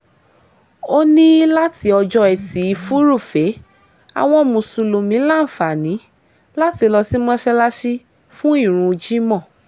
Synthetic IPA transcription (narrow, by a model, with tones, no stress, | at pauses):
o˦nĩ˦la˦ti˧˦ɔ˧d͡ʒɔ˧ɛ˨ti˨˦i˨˧fu˦ɾu˦˨fe˨˦ | a̰˧w̃ɔ̃˧mũ˨sũ˧lo˨mĩ˨˦la˦n̩˨fa˨nĩ˨˦ | la˦ti˧lɔ˧si˦mɔ̃˦ʃɛ˧la˦ʃi˦ | fũ˦i˦˨ɾ̃ũ˧d͡ʒi˦mɔ̃˦˨